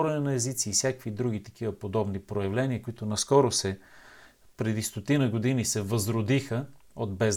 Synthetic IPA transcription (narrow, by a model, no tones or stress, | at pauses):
ɾɛnɛnɐɛzit̪siːfsʲjakvid̪ɾuɡ̟it̪ɐ̥k̟ivəpod̪ɔbnipɾojɐvlɛniəkoit̪ʊnɐskɔɾosɛ | pɾɛd̪ist̪ot̪inəɡod̪inisɛvɐzɾod̪ixə | od̪̚bɛz